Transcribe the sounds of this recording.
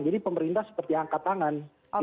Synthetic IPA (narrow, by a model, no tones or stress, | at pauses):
ŋd͡ʒadipəməɾint̪ahsə̥pərt̪iaŋkat̪aŋan